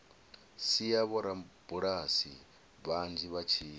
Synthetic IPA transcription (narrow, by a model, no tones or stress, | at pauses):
sijaβɔɾab̥uɺasi | βand͡ʒiβat͡ʃʰiː